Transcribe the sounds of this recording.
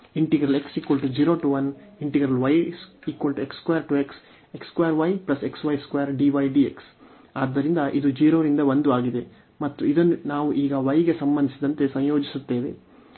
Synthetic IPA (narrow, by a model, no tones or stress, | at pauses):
iɳʈiɡɾɐle̞ksiːkʋɐlʈud͡ʒiːɾo̞ːʈuʋɐniɳʈiɡɾɐlʋɐjsiːkʋɐlʈuekskɐjɐɾʈueks | ekskʋɐjɐɾʋɐjplɐse̞ksʋɐjskʋɐjɐɾɖiʋɐjɖieks | aːd̪ːɐɾind̪ɐʔid̪ud͡ʒiːɾoːɾind̪ɐʋond̪uaːɡid̪e̞ | mɐt̪ːuid̪ɐnːunaːʋuʔiːɡɐʋɐjɡe̞sɐmbɐnd̪isid̪ɐnt̪e̞sɐ̃jjoːd͡ʒisut̪ːe̞ːʋe̞̰